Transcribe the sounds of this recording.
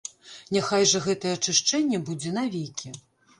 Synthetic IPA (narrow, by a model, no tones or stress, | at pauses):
nʲaxajʐɐɣɛt̪ɐjɛɐt͡ʂɨʂt͡ʂɛnʲːɛbud͡zʲɛnavʲejkʲʰi